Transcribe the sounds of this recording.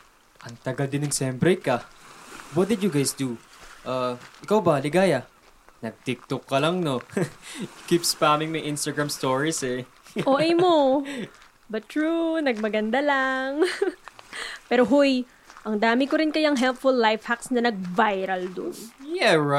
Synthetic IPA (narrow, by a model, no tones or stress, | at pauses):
ʔɐŋt̪ɐɡɐld̪ɪnɐɡsɛmpɾɛka | wɐt̪̚d̪ɪd̪jʊɡajsd̪uʔaːʔɪkawbɐlɪɡaːjɐ | nɐɡ̚t̪ɪk̚t̪okːɐlɐŋno̞ | kipspaːmɪŋmɐjʔɪ̃nst̪ɐɡɹamst̪oːɹisɛ | ʔoʔʔɛjmo | bɐɹunɐɡ̚mɐɡɐnd̪alaŋ | pɛːɾoɦoj | ʔɐŋd̪aːmɪkoɾɪnkɐjaŋɦɛlpfʊlːajfhaksnɐnɐɡ̚vajɾɐld̪ʊ̰njɛɹ